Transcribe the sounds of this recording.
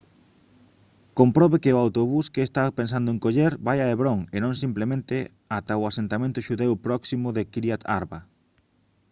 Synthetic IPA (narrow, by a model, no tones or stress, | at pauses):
kompɾɔβekeʊawt̪oβuskeːst̪apens̬and̪ʊẽŋkoʎeɾbajaeβɾoŋenõŋsimplemẽnt̪ɪ | at̪aʊasent̪amẽnt̪ʊʃuðewpɾɔksimʊðekɾjat̪a̰ɾβa